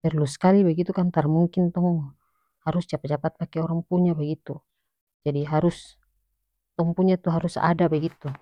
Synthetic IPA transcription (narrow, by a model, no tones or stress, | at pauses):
pɛrluskalibaɡit̪ukant̪armuŋkint̪ɔŋŋ | haɾusd͡ʒapad͡ʒapat̪̚pakɛɔɾaŋpuɲabaɡit̪u | d͡ʒadiɦaɾus | t̪ɔŋpuɲat̪uɦaɾusa̰dabaɡit̪u